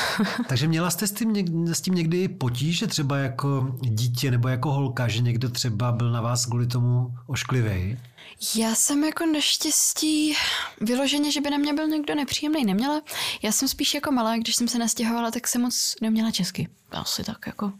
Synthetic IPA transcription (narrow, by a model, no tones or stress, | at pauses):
t̪aɡʒɛmɲɛlast̪ɛst̪ɪmɛsciːmɲɛɡdɪɪpo̞c̬iːʒɛt̪r̥ɛbajako̞ɟiːcɛnɛbojako̞ɦo̞lkaʒɛɲɛɡdot̪r̝̥ɛbabɪlnavaːskvuːlɪt̪o̞muʔoʃklɪvɛ̰j | jaːsɛmjako̞naʃcɛsciːvɪlo̞ʒɛɲɛʒɛbɪnamɲɛbɪlɲɛɡdo̞nɛpr̥iːjɛmnɛjnɛmɲɛlajaːsɛmspiːʃjako̞malaːɡdɪʃsɛmsɛnascɛɦo̞valat̪aksɛmːot͡snɛmɲɛlat͡ʃɛskɪ̰ | a̰sɪt̪akjako̞